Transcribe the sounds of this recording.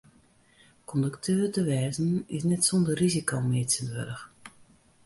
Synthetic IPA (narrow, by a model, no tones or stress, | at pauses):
kʰɔndəktʰøːrtəʋɛːzənɪsnɛtsɔndərrizikowmɪːtsənʋø̰dəx